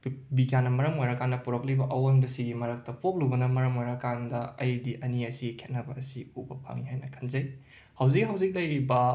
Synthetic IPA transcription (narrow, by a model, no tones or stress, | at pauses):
biɡjanːɐmɐɾɐmojɾɐkandɐpuɾɐk̚libɐʔɐwonbɐsiɡimɐɾɐk̚tɐpop̚lubɐnɐmɐɾɐmojɾɐkandɐɐjdiʔɐniɐsikʰet̚nɐbɐːsiubɐpʰa̰ŋihajnɐkʰɐnzɐj | hɐwzikhɐwzik̚lɐjɾibɐ